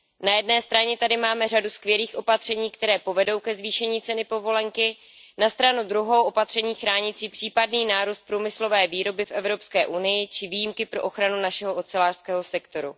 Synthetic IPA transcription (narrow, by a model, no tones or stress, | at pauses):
najɛdnɛːst̪ɾaɲɛt̪adɪmaːmɛr̝aduskvjɛliːxʔo̞pat̪r̝̥ɛɲiːkt̪ɛɾɛːpo̞vɛdo̞wkɛzviːʃɛɲiːt͡sɛnɪpo̞vo̞lɛŋkɪ | nast̪ɾanud̪ɾuɦowʔopat̪r̝̥ɛɲiːxɾaːɲɪt͡siːpr̥iːpadniːnaːɾust̪̚pɾuːmɪslo̞vɛːviːɾo̞bɪfʔɛvɾo̞pskɛːʔunɪjɪt͡ʃɪviːjimkɪpɾo̞ʔoxɾanunaʃɛɦoʔot͡sɛlaːr̥skɛːɦo̞sɛkt̪o̞ɾṵ